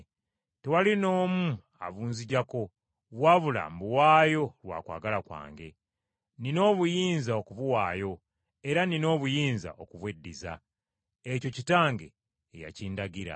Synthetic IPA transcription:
tewalino̞ːmu | a̰βuːnziɟako̞ | βwaːβula̰mbuwaːjo̞lwa̰ːkwa̰ːɡalakwa̰ːŋɡe̞̰ | nino̞ːβujiːnzaokuβuwaːjo̞ | eɾanino̞ːβujiːnza̰o̞kuβwedːiza̰ | eco̞citaːŋɡe̞̰ː | ja̰ciːndaɡiɾa̰

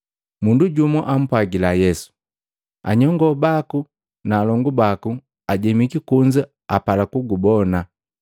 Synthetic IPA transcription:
munduɟumɔʔam̩pwaɡilajɛsu̥ | a̰ɲɔŋɡɔbaku | naːlɔŋɡubaku | aɟɛmikikuɲd͡ʒa | apalakuɡubɔna

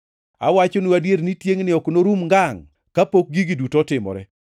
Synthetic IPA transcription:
a̰wat͡ʃonuadjeɾnitjeŋnɪɔknoɾumŋɡaŋ | kapok̚ɡiɡidutɔtɪmɔ̰ɾɛ

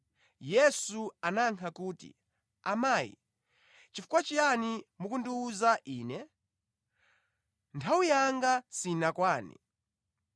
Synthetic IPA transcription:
jɛsuanaŋkʰakuːtḭ | amaːjḭ | t͡ʃifu̥kwat͡ʃianimukundiuzaʔiːnɛ | ntʰawujaŋɡasinakwaːnḭ

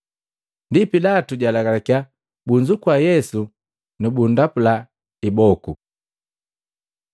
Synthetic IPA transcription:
ndipilatuɟalaɡalɛkia | buɲd͡ʒukuwajɛsu | nubundapula | ibɔku

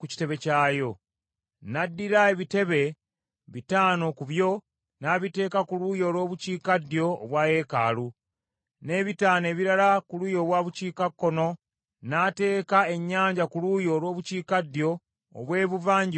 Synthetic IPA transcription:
kuci̥te̞βe̞caːjo̞ | nadːiɾaeβite̞βe̞ | βitaːno̞kuβjo̞ | naːβite̞ːkakulujo̞ːlwo̞ːβuciːkadjo̞̰ːβwaːje̞ːka̰ːlu | ne̞βitaːne̞ːβiɾalakulujo̞ːβwaːβuciːkakːo̞no̞ | nate̞ːkae̞ɲːaːɲɟakulujo̞ːlwo̞ːβuciːkadjo̞̰ː | βwe̞ːβuvaːɲɟi

